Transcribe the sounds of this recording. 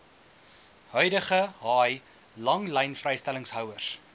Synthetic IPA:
hœɥdəχəɦɑːj | lɐŋlɛjnfrɛjstæləŋsɦœwərs

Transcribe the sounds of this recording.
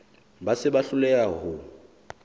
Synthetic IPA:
basɪbaɬʊlɛaɦʊ

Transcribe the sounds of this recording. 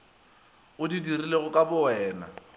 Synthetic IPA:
ʊdidirileɣʊkʼabʊɛːna̰

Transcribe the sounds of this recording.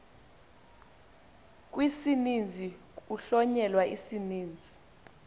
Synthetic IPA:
k̬ʼwisinind͡zʱi | uɬɔɲɛlwaisiniːnd͡zʱi

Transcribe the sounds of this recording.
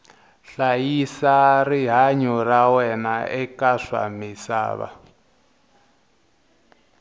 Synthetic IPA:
ɬajisariɦaɲɔrawɛnaɛkaʂa̰misa̰ːβa̰

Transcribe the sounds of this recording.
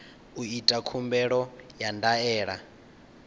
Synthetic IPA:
uitʼakʰumbɛɺɔjandaɛːɺa

